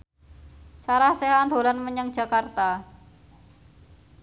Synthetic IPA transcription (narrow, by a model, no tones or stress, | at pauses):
saɾahseɦand̪o̤lanməɲəŋ̥ʒ̥a̤kart̪a